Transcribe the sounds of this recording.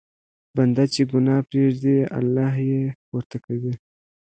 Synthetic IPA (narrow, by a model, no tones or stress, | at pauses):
band̪at͡ʃeɡʊnɑpɾeʐd̪ia̰lːɑɦjepoɾt̪akawi